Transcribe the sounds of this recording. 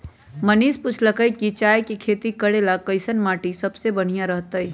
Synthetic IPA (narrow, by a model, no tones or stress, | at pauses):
mɐniːspʊt͡ʃʰləkəikit͡ʃaːjkikʰeːt̪ikɐɽelakəɪsənmaːʈisɐbsebɐɽ̤ijãɾɐɦt̪aɦiː